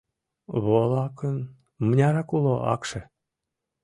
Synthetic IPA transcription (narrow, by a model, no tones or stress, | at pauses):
βolɑkən | mənʲɑɾɑkuloʔɑ̰kʃe